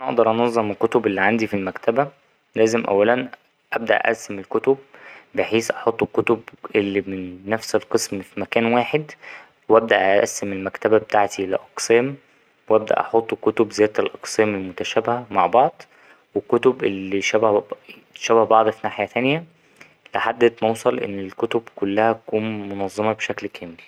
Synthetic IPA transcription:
ʔænæʔɑ̰ʔd̪ɑɾˤʔɑnɑzˤːɑmelkot̪obelːiʕand̪ifilmækt̪æbæ | læːzemʔæ̰wːælæn | ʔæb̚d̪æ̰ʔʔæ̰sːemelkot̪ob̚ːeħiːsʔɑħot̪ˤːkot̪obʔelːimɪnːæfselqɨsmfimækæːnwaːħed̪ | wʔæb̚d̪æʔæʔæ̰sːemelmækt̪æbæbet̪aːʕt̪ilɪʔɑqsæːm | wʔæb̚d̪æ̰ʔɑħot̪ˤːkot̪obzæːd̪t̪elʔɑqsæːmelmot̪æʃæːbhæmaʕbɑʕd̪ˤ | wekːot̪obʔelːiʃæbæh | ʃæbæhbɑʕd̪ˤfinaːħjæt̪ænjæ | leħad̪ːæt̪mɑwsˤɑlʔḛnːelkot̪obkolːæhæt̪ækuːnmonɑzˤːɑmɑbʃæklkʰæːmel

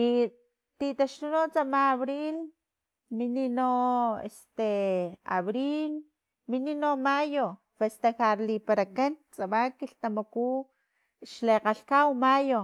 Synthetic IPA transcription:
i | t̪it̪aʃt̪unot͡samaːβɾil | mininoḛst̪ea̰βɾil | mininomajo | fest̪axaɾlipaɾakant͡sʼaβakiɬt̪amoku | ʃleqaɬkawmajo

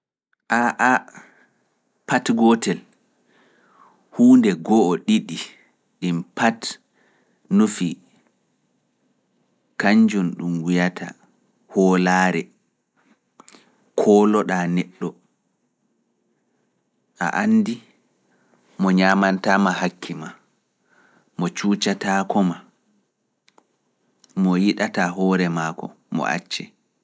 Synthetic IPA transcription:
ʔaʔa | patɡɔtɛl | huːndɛɡɔʔːɗiɗi | ɗimpat | nufi | kaɲd͡ʒunɗumwijatʰa̰ | hɔːlaːɾɛ | kʰɔːlɔɗaːnɛɗːɔ | ʔa̰ʔanːdi | mɔɲaːmantaːmahakʰːima | mɔt͡ʃuːt͡ʃataːkɔma | mɔjiɗataɦɔːɾɛmaːkɔ̰ | mɔ̰ʔa̰t͡ʃːɛ

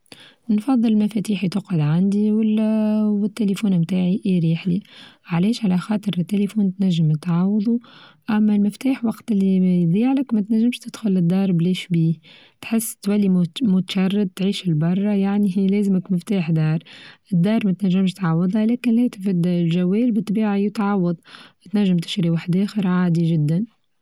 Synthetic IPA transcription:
nfɑðˤːɨllmæfɛt̪iːħit̪ʊqɪd̪ʕand̪iwlwɪt̪ːelifuːnmt̪aːʕiʔiɾiːħliʕalɛːʃʕalæxɑːt̪ˤɨɾɪt̪ːelifuːnt̪næʒːɪmt̪ʕɑːwd̪ˤuʔæmːælmɪft̪aːħwɑqt̪ɪlːijd̪ˤiːʕləkmæt̪næʒːɪmʃt̪ɪd̪̥xʊlɪd̪ːɑːɾˤbliːʃbiː | t̪ħɪsːt̪wælːimʊt̪ḁʃɑrˤːɑd̪̚t̪ʕiːʃɪlbɑrˤːɑjaʕniɦiːleːzɪmɪkmɪft̪aːħd̪ɑːɾˤʔɪd̪ːɑːɾˤmæt̪naʒːɪmʃt̪ʕɑwːɨd̪ˤɑleːkɪnleːt̪fɪd̪lʒaweːlbɪt̪ˤːbiːʕajɪt̪ʕɑwːɑd̪ˤt̪naʒːɪmt̪ɪ̥ʃɾiwaħd̪ʔeːxɪɾʕaːd̪iʒɪd̪ːan

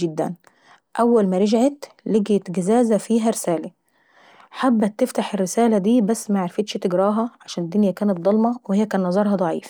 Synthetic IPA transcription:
ɪd̪ːæ̰n | ʔæwːælmæɾˤɑd͡ʒʕet̪ | leɡet̪ɡæzæːzæfiːɦæɾɪsæːlæ | ħabːæt̪ːeft̪aħerːɪsæːlæd̪iːbæsːmæʕaɾfet̪ʃt̪ɪɡɾɑːɦɑʕaʃæːnɪd̪ːʊnjækæːnæt̪̚d̪ˤɑlmɑwhejːækæːnːɑzˤɑɾˤhɑd̪ˤɑʕḭːf

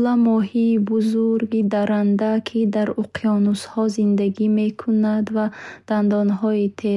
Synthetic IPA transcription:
lamɔɦiːbuzuɾɡid̪aɾand̪akʰid̪aɾuqʰiɔnushɔzind̪aɡime̞kʰunad̪vad̪̥and̪ɔnɦɔit̪ʰe

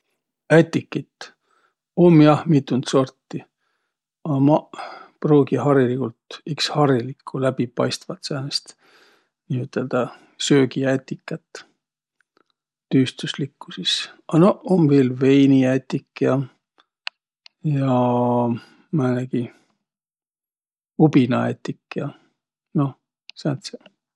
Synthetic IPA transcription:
æt̪ʲːˑikːit̪ | omːjɑhmit̪ːˑunt̪so̞rt̪ːi | ɑmɑproːɡiɦɑɾilikult̪ikshɑɾilikʰːulæb̥ipɑjst̪vɑt̪sɑːnest̪ | niːyt̪ːˑeld̪̥ɑ | søːɡiæt̪ʲːˑikːˑɑt̪ː | t̪yːst̪uslikːu̥sisɑnoomveːlve̞jniæt̪ʲːikːjɑ | jɑ | mɑnæɡi | ubinɑḛt̪ʲːˑikːjɑ | no̞ | sænt̪sɑ

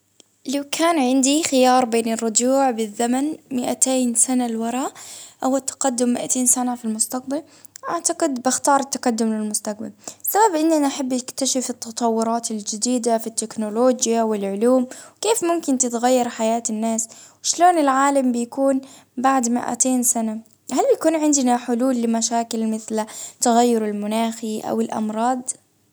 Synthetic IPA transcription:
lawkʰaːnʕɪnd̪ixɪjɑːɾˤbeːnɪrˤːʊd͡ʒuːʕbɪðːamanmɪʔat̪eːnsanalwɑɾˤɑːʔʔawɪt̪ːḁqad̪ːʊmːɪʔat̪eːnsanafilmʊst̪aq̚bal | ʔaʕt̪aqɪd̪bɪxt̪ɑːɾˤɪt̪ːaqɑd̪ːʊmlɪlmʊst̪aq̚balɪsːababʔɪnːʔanʔaħabːʔɪkt̪aʃɪfɪt̪ːɑt̪ˤɑwːʊɾˤɑːt̪ɪld͡ʒɪd̪iːd̪afit̪ːɪknʊloːd͡ʒjawɪlʕʊluːmwkeːfmʊmkɪnt̪ɪt̪ɣajːɑɾˤħajaːt̪ɪnːaːswɪʃloːnɪlʕaːlambɪjakuːn | baʕd̪mɪ̰ʔa̰t̪eːnsana | halbɪjakuːnʕɪnd̪naħʊluːlːɪmaʃaːkɪlmɪθlt̪aɣajːʊɾɪlmʊnaːxiʔa̰wɪlʔɑ̰mɾˤɑːd̪ˤ

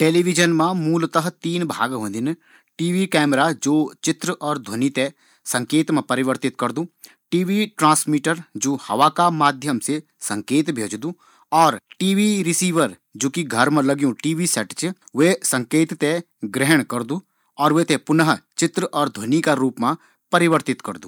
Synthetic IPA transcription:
ʈeːliʋɪd͡ʒənmãmuːlt̪əɦt̪iːnbʱa̰ːɡɦõːnd̪ɪn | ʈiːʋikɛːmɾad͡ʒoːt͡ʃɪt̪ɾəʔɔːɾd̪ʱɐnit̪e | sɐ̃ŋkeːt̪mãpɐɾɪʋəɾt̪ɪt̪kɐɾd̪ũː | ʈiːʋiʈɾãːsmiːʈəɾd͡ʒuːhɐ̰ʋakamaːd̪ʱjəmse | sɐ̃ŋkeːt̪bʱeːd͡ʒd̪ũː | ɔːɾʈiːʋiɾɪsiːʋəɾ | d͡ʒoːkiɡʱɐɾmãlɐɡjũʈiːʋisɛʈt͡ʃʋesɐ̃ŋkeːt̪t̪e | ɡɾɛɦəɽ̃kɐɾd̪uː | ɔːɾʋet̪ẽpʊnəɦt͡ʃɪt̪ɾəʔɔːɾd̪ʱwɐnikaɾuːpmã | pɐɾɪʋəɾt̪ɪt̪kɐɾd̪ṵː

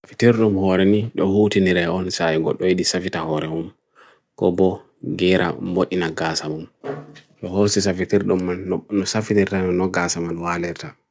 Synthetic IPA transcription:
safitiɾɗumhɔɾɛniɗɔhuːtiniɾɛɔnsajiɡɔ̰ɗɔjiɗisafitahɔɾɛmum | kɔbɔ | ɡɛɾʔa̰mboʔinaɡasamumɗɔhosisafitiɾɗumːannɔsafitiɾtannɔɡaːsamanwalɛɾta

